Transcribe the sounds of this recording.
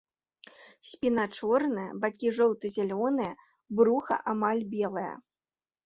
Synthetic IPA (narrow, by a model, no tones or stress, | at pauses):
sʲpʲinat͡ʂɔrnɨjɐ̰bakʲiʐɔwt̪ɨzʲalʲɔnɨjɐ | bɾuxɐ̰ʔamalʲbʲɛlˠɐjɐ̰